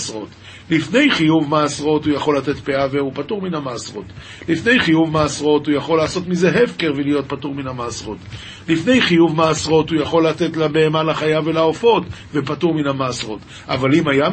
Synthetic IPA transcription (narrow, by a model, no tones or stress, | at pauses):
sʁo̞t | lifne̞jχijuvmaːsʁo̞tujaχo̞late̞tpeaveupatuʁminamaːsʁo̞t | lifne̞jχijuvmaːsʁo̞tujaχo̞lːaːso̞t̪mize̞ɦevkeʁvelijo̞t̚patuʁminhamaːsʁo̞t | lifne̞jχijuvmaːsʁo̞tujaχo̞lːate̞tlabe̞ːmalaχajavelaofo̞tvepatuʁminamaːsʁo̞t | ʔavalimaja